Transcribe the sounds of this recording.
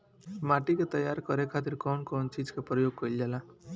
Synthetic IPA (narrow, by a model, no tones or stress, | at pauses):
maʈikot̪ʌjaɾkʌɾekʰat̪̬iɾkɔnkɔnt͡ʃid͡zkapɾʌjoɡ̚kʌild͡ʒala